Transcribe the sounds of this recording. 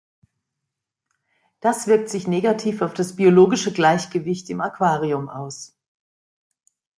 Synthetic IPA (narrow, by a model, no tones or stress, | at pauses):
d̥asv̥ɪɐk̚tz̥ɪçneːɡatʰiːfaʊfd̥asb̥ioloːɡɪʃəɡlaɪçɡ̥əvɪçtɪmakv̥aːʁiʊmʔa̰ʊs